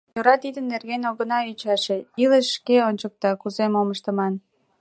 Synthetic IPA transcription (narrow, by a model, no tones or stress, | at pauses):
joɾɑt̪id̪ənːerɣenʲoɣənɑyt͡ɕɑʃe̽iləʃːkeonʲt͡ɕək̚t̪ɑkuzemoməʃt̪ə̆mɑn